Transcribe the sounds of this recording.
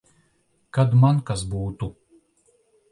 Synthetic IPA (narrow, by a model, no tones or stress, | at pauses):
kad̪mankasbuːt̪u